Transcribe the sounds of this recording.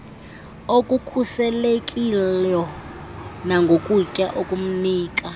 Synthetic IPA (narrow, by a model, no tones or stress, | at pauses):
okʼukʰusɛlekʼilɔ | naŋɡʱokʼucʼaʔokʼum̩niːkʼa